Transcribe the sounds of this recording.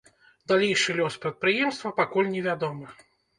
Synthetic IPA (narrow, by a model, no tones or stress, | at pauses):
d̪alʲejʂɨlʲɔspɾɐt̪̚pɾɨjɛmst̪vɐpakulʲnʲɛvʲad̪ɔmɨ